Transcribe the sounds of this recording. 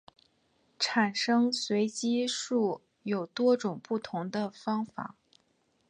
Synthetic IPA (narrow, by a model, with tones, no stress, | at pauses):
ʈ͡ʂʰa˨˩nʂɤ˥ŋswe˧˥ɪt͡ɕi˥ʂu˥˩ | jo˨˩ʊt̪wɔ˥ʈ͡ʂʊ˨˩ŋpu˥˩t̪ʰʊ˧˥ŋd̪ə˧fɑ˥ŋfa̰˨˩˦